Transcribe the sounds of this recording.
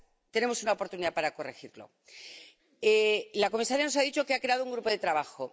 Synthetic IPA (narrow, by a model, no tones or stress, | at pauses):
t̪e̞ne̞mosunaopo̞ɾt̪uniðapaɾako̞re̞xiɾlo̞̰ | elako̞misaɾjano̞s̬aðit͡ʃo̞keakɾe̞að̞ouŋɡɾupo̞ð̞e̞t̪ɾaβaxo̞